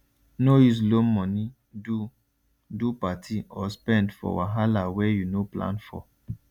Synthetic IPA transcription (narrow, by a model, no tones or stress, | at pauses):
nois̬lomɔ̃ni | du | dupatʰiɔspɛ̃ndfɔ̰waɦalawɛjunoplã̰nfɔ̰